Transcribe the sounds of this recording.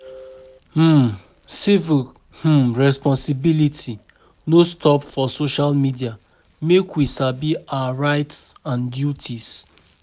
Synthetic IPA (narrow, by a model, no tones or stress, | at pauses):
h̩ | sivil | h̩ɹɛspɔ̃nsibilitʰi | nostʰɔpfɔsoʃalmidia | mekwisabiaaɹaɪt | ãndjutʰis